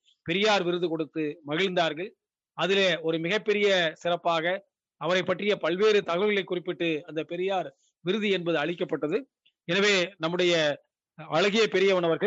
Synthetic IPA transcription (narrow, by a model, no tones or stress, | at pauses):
pɛɾɪjaːɾʋɪɾɯðɯkɔɽɯt̪ːɯmɐɣɪɻnd̪aːɾɣɐɭ | ɐðɪleɔɾɯmɪɣɐpːɛɾɪjɐsɪrɐpːaːɣɐ | ɐʋɐɾɐɪpːɐʈːrɪjɐpɐɭʋeːɾɯt̪ɐɣɐʋɯɣɐɭɐɪkːʊrɪpːɪʈːɯɐnd̪ɐpɛɾɪjaːɾ | ʋɪɾɯðɯɛnbɐðɯɐɭɪkːɐpːɐʈːɐðɯ | ɛnɐʋeːnɐmːɯɽɐjɐ | ʋɐɻɐɣɪjɐpɛɾɪjɐʋɐnɐʋɐɾɣɐ